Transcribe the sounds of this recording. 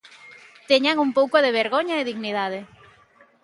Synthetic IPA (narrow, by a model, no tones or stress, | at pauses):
t̪eɲaŋumpowkoðeβ̞eɾɣoɲɐeðiɣniðaðe